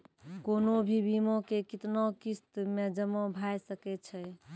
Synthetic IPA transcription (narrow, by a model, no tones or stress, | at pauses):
konobʱibimõkekit̪nokist̪med͡ʒəmõbʱajsəkɛt͡ʃʰɛj